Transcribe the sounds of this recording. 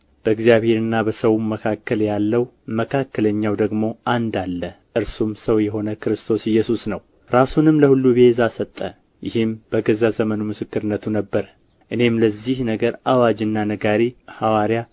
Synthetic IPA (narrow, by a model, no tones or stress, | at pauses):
b̥əɨɡzijaβhe̞ɾɨnːabəsəwuməkʰakːəljalːəw | məkʰakːələɲːawd̪əɡmo̞ʔand̪alːə | ʔɨɾsumsəwjɛɦo̞nəkɨɾɨst̪ʰo̞sɪjːɛsusnəw | ɾasunɨmləhulːubezasət̪ʼːə | jɪhɨmb̥əɡəzazəmənumɨsɨkːɨɾɨnːət̪ʰunəbːəɾə | ʔɨne̞mləzːihnəɡəɾawad͡ʒɨnːanəɡaɾihawaɾija